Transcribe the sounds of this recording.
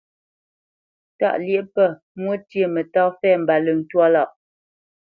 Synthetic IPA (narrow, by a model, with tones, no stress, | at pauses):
ta̰˦˨ʔlje˦ʔpə˦˨ | mwə˦tjə˦˨mə˨tɔ˦fɛ˦˨m̩˨ba˨lə˨n̩˨twɔ˦la˦˨ʔ